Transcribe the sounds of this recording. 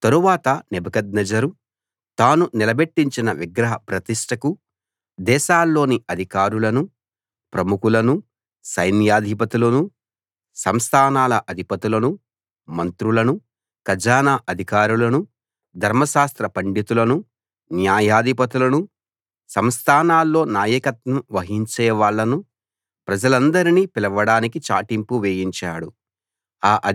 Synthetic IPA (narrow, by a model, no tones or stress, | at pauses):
t̪ɐɾuʋaːt̪ɐnɛbɐɡɐd̪̚nɐd͡ʒɐɾu | t̪aːnunilɐbeʈːiɲt͡ʃinɐʋiɡɾɐɦɐpɾɐt̪iʂʈɐku | d̪ɛːʃaːlːo̞ːniɐd̪ʱikaːɾulɐnu | pɾɐmukulɐnu | sɐjnjaːd̪ʱipɐt̪ilɐnu | sɐmst̪ʰaːnaːlɐʔɐd̪ʱipɐt̪ilɐnu | mɐnt̪ɾulɐnu | kɐd͡ʒaːnaʔɐd̪ʱikaːɾulɐnu | d̪ʱɐɾmɐʃaːst̪ɾɐpɐɳɖit̪ulɐnu | njaːjaːd̪ʱipɐt̪ulɐnu | sɐmst̪ʰaːnaːlːo̞ːnaːjɐkɐt̪nɐmʋɐɦiɲt͡ʃɛːʋaːɭːɐnu | pɾɐd͡ʒɐlɐnd̪ɐɾiniːpilɐʋɐɽaːnikit͡ʃaːʈimpuʋeːjiɲt͡ʃaːɽu | aːʔɐ